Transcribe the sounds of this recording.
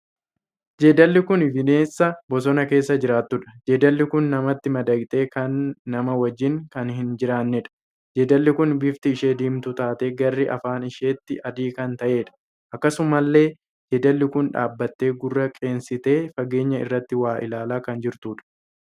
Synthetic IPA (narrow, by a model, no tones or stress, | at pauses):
d͡ʒeːd̪ɐlːɪkʊnɪfɪne̞ːsːɐbɔs̬ɔnɐke̞ːs̬ːɐd͡ʒɪɾaːt̪ːʊᶑɐ̥d͡ʒe̞ːd̪ɐlːɪkʊnːɐmɐt̪ːɪmɐd̪ɐɡt̪e̞ːkɐnːɐmɐwɐd͡ʒːɪŋkɐnɦɪnd͡ʒɪɾaːnːɛᶑɐ̥ | d͡ʒeːd̪ɐlːɪkʊnbɪft̪ɪɪʃeːd̪iːmt̪ʊt̪aːt̪e̞ːɡɐrːɪʔɐ̰faːnɪʃe̞ːt̪ːɪʔɐd̪iːkɐnt̪ɐʔe̞ːᶑɐ̥ | ʔɐkːɐsʊmɐlːe̞ː | d͡ʒeːd̪ɐlːɪkʊnᶑa̰ːbːɐt̪ːe̞ːɡʊrːɐkʼe̞ːnsɪt̪e̞ːfɐɡe̞ːɲːɐɪ̰rːɐt̪ːɪwaːʔɪ̰laːlaːkɐnd͡ʒɪɾt̪uːᶑɐ̥